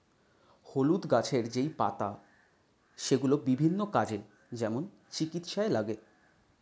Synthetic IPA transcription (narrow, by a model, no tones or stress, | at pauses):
holud̪ɡat͡ɕʰeɾd͡ʑejpa̰t̪a | ʃeɡulobibʱinːokad͡ʑe | d͡ʑɛmon | t͡ɕikit̪ʃaelaɡe